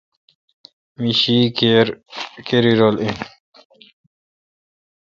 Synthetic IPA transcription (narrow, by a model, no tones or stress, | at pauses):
miɕikeɾkeɾiɾolin